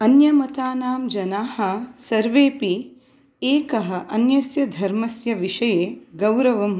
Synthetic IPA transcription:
ɐnjɐmɐt̪aːnaːmd͡ʒɐnaːhɐ̆sɐɾʋeːpi | eːkɐɦɐ̆ʔɐnjɐsjɐd̪ʱɐɾmɐsjɐʋiʂɐjeːɡɐwɾɐʋɐm

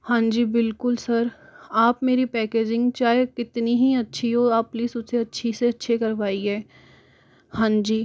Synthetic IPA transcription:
hãːd͡ʒiːbɪlkʊlsɐɾaːpmeːɾipɛːkeːd͡ʒɪ̃ŋɡt͡ʃaːɦekɪt̪niɦiɐtːʃʰiɦoaːpːliːsʊseɐtːʃʰiseɐtːʃʰekɐɾʋaːiɦɛː | hãːd͡ʒiː

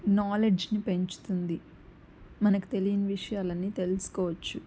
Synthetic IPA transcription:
naːleɖd͡ʒnipe̞ɲt͡ʃu̥t̪und̪i | mɐnɐki̥t̪e̞lijɐnɐʋiʂɐjaːlɐnːiːt̪e̞lusu̥kɔːʋɐt͡ʃːu

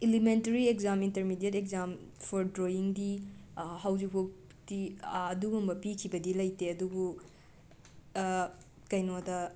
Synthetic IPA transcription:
elimenteɾiekzaminteɾmidedek̚zampʰɔɾdɾoiŋdihawd͡ʒipʰok | tiɐdubumbɐpikʰibɐdilɐjteɐdubu | kɐjnodɐ

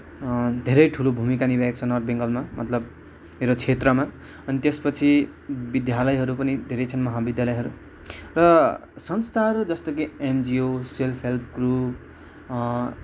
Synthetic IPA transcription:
d̪ʱeɾʌjʈʰulobʱumikanibʱaek̚t͡sʰʌnʌrbeŋɡʌlmamʌ̰t̪lʌb | meɾot͡sʰet̪rʌma | ʌnit̪espʌt͡sʰi | bid̪jalʌjɦʌɾupʌnid̪ʱeɾʌjt͡sʰʌnmʌɦabid̪jalʌjɦʌɾu | rʌsʌnst̪ʰaɦʌɾud͡zʌst̪ʌkiend͡zioselpʰɦelpʰkrup

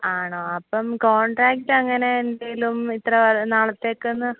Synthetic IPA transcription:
aːɳoːɐpːɐmkoːɳɖraːk̚ʈːɨɐŋːɐne̞ːndejilumit̪rɐʋɐnaːɭɐt̪ːe̞ːkːunːɨ

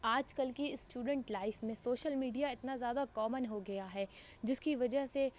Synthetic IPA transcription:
aːd͡ʒkɐlkiɪsːʈuːɖə̃ɳʈlaːɪfmẽsoːʃəlmiːɖijaɪt̪nazjaːd̪akɔːmənɦoɡɐjaɦɛː | d͡ʒɪskiʋɐd͡ʒəɦse

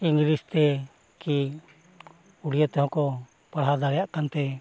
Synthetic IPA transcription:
iŋɡlist̪ɛ | ki | uɽijət̪ɛhɔ̃kɔ | paɽ̤ad̪aɾɛjaʔkant̪ɛ

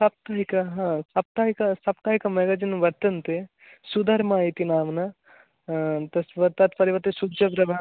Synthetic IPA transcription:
sɐp̚t̪aːɦikɐɦãːsɐp̚t̪aːɦikɐsɐpt̪aːɦikɐmɛɡɐd͡ʒinʋɐɾt̪ɐnt̪e | sud̪ʱɐɾmaːit̪inaːmnɐ | t̪ɐsʋɐɾt̪at̪pɐɾiʋɐt̪isudd͡ʒɐpɾɐbʱa

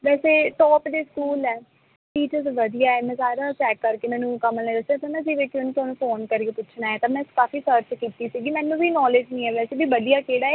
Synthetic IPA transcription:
ʋɛːseːʈɔːpd̪eːskuːlɛː | ʈiːt͡ʃəɾzʋəd̪ijaːɛːmɛ̃ːsaːɾaːʈɛːkːəɾkeːmɛ̃ːnũːkəməẽːɾəsd̪aːt̪ãːmɛ̃ːd͡ʒiːʋeːkʰːeoːnũːt̪ʊɦaːnũːpoːnkəɾiepʊt͡ʃʰnaːɛːt̪aːmɛ̃ːkaːfiːsəɾt͡ʃkiːt̪iːsiːɡiːmɛ̃ːnːũːbʱiːnɔːled͡ʒnĩːɛːʋɛːseːbiːʋəd̪ijaːkeːɽaːe

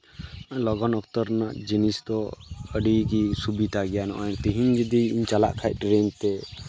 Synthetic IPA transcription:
lɔɡɔnɔkt̪ɔɾnaʔd͡ʒinist̪ɔəɖikisubit̪aɡɛjanɔʔɔt̪iɦiɲd͡ʒid̪iːɲt͡ʃala̰ʔkʰaj̚ˀʈɾeɲt̪ɛ

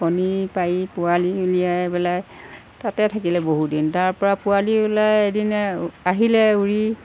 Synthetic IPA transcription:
ɔnipaipʊaliulijajbɛlaj | tatɛtʰakilɛboɦudintaɹpɔɹapʊaliulajedinaɦilɛuɹi

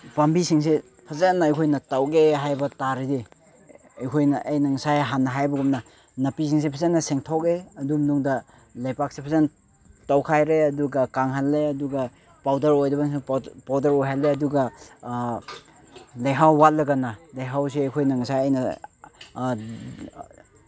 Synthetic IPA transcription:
bɐmbisiŋs̬e | pʰɐzenːaːjkʰojnɐtawɡeɦajbɐtaɾidi | ɐjkʰojnɐʔːjnɐŋsajɦanːɐɦajbɐɡumnɐ | nɐpisiŋs̬ipʰazenːɐseŋtʰɔk̚eɐdumnuŋdɐ | lajpak̚sepʰɐzen | tawkʰajɾeɐduɡɐkaŋɦalːeɐduɡɐ | pawdɐɾojdɐbaspawdɐɾojɦalːeɐduɡɐ | lajɦawːat̚lɐɡɐnːɐlajɦaws̬iɐjkʰojnɐŋsajɐjnɐ

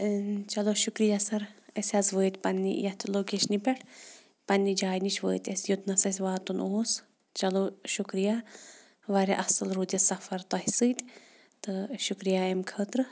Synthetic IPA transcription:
t͡ʃɐloʃukɾijasɐɾɐsʲɐzʋəːt̪ʲpɐnːḭjɐt̪ʰloːkʲeʃnipʲɛʈʰ | pɐnːid͡ʒaːjnit͡ʃʰʋəːt̪ʲɐsʲjut̪nɐsɐsʲʋaːt̪unoːs | t͡ʃɐloʃukɾija | ʋɐɾeʔɐsɐlɾud̪ɐsɐfɐɾt̪ɐɦsɨːt̪ʲ | t̪ɨʃukɾijaemkʰɐːt̪ɾɨ

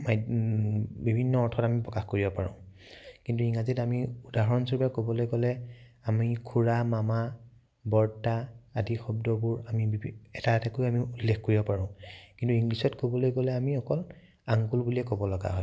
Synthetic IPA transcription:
maj | bibʱinːɔɔɹtʰɔtamipɹɔkaxkoɹibɔpaɹɔ̰̃ | kintuiŋazitamiudaɦɔnsɔɹbakobɔlojkɔlɛamikʰuɹamama | bɔɹtaadixɔb̚dɔbʊɹamiɛtaɛtakojamiulːexkoɹibɔpaɹʊ̃kintuiŋɡlisɔtkobɔlojkɔlɛamiɔkɔl | aŋkulbuliɛkɔbɔlɔɡa̰ɦɔ̰j

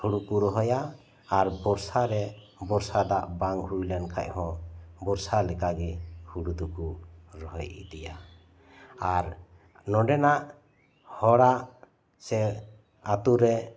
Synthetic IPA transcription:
huɽukuɾɔɦɔjaː | ɾbɔɾsaɾɛ | bɔɾsad̪aʔbaŋhujlɛnkʰa̰ʔ̚ˀhɔ̃bɔɾsalɛkaɡɛhuɽud̪ukuɾɔɦɔjḭd̪ɛjaː | ɾ | nɔɖɛnaʔ | hɔɽaʔ | sɛ | at̪uɾɛ

